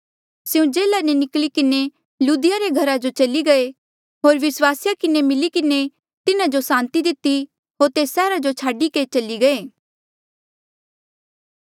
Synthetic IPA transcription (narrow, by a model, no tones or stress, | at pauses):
sɪũd͡ʒeːlanenɪklikɪne | juːd̪ɪjaɾeɡʱɐɾad͡ʒot͡ʃɐliɡɐe | ɦoːɾʋɪswaːsɪjakɪnemɪlikɪne | t̪ɪnad͡ʒosãːnt̪id̪ɪt̪ːi | ɦoːɾt̪eːsːɛːɾad͡ʒot͡ʃʰaːɖiket͡ʃɐliɡɐeː